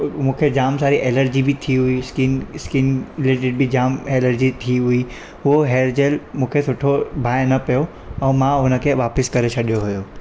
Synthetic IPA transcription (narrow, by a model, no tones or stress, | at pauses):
mũːkʰed͡ʑaːmsaːɾiʔeːləɾd͡ʑibɪt̪ʰiɦʊiskɪnskɪnleːʈɪɖ̚bʱɪd͡ʑaːmeːləɾd͡ʑit̪ʰiɦʊi | ɦʊɦoɦeːɾd͡ʑelmũːkʰesʊʈʰobʱaːjnɐpijo | ɛ̃ːmãɦʊnə̆kʰeʋaːpɪskɐɾet͡ɕʰɐɗijoɦʊjo